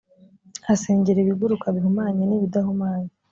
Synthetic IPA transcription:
ase̞ːɲɟeɾeβiɡuɾukaβiɦumaːɲaniβidahumaːɲa

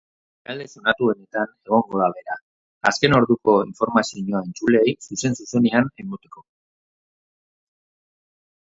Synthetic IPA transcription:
ald̪e̞so̞nat̪ue̞ne̞t̪ane̞ɣ̞o̞ŋɡo̞ðaβe̞ɾa | a̰ske̞no̞ɾðuko̞iɱfo̞ɾmasioɲo̞aent͡sule̞ːjsuse̞nsuse̞neanemot̪e̞ko̞

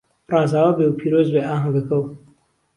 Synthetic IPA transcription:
rˤɑːzaːwɐbewpʰiːɾoːzbeaːɦɐɡɐkɐw

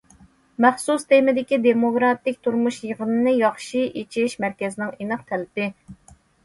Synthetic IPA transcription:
mæχsust̪ʰemɪd̪ɪkʲid̪emokɾɑt̪ɪkʲt̪ʰuɾmuʃjəʁənɨnɨjɑχʃiʔit͡ʃʰiʃmæɾkʲɛzɪnɪŋenɨqt̪ʰɛlɪpɪ

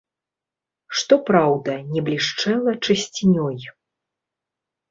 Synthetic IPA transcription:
ʂt̪ɔpɾawd̪ɐnʲɛblʲiʂt͡ʂɛlˠɐt͡ʂɨsʲt͡sʲinʲɔj

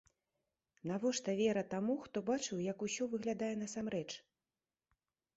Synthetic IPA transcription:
navɔʂt̪ɐvʲɛɾɐt̪amuxt̪ɔbat͡ʂɨwjɐkusʲɔvɨɣlʲad̪ajɛnɐsamɾɛt͡ʂ

